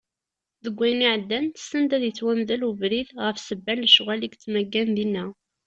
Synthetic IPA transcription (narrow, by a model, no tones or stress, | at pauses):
ðəɡʷːæjniʕd̪ːænst̪ənd̪æðjət͡sːwæmðæləvɾiðʁəfsəbːælːəʃʁaliɡt͡sːmæɡːænðinːæ